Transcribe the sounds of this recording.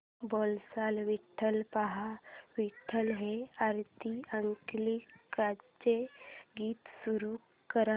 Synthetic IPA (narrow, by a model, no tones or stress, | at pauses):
bɔlsalʋiʈʰːəlpaɦaʋiʈʰːəlɦeaɾt̪iəŋklikat͡ɕeɡiːt̪suɾu | kəɾa